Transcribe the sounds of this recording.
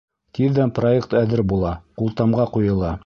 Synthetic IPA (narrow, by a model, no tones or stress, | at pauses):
t̪iðːænproekt̪æðɘɾbulˠɑqulˠt̪ɑmʁɑqujɤ̆lˠɑ